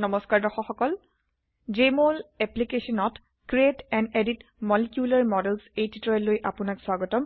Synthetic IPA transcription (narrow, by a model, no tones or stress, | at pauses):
nɔmɔskaɹdɔxɔxɔkɔl | d͡ʒemolɛplikesɔnɔt | kɹietɛneditmɔlikjulaɹmɔdɛlsejtitɹɔɛlojʔapʊnakswaɡɔtɔm